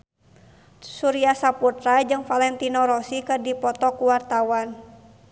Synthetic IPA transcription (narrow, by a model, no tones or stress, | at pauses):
suɾiasaput̪ɾad͡ʒɨŋfalɛnt̪inɔɾɔsikɨrdipɔt̪ɔkuwart̪awan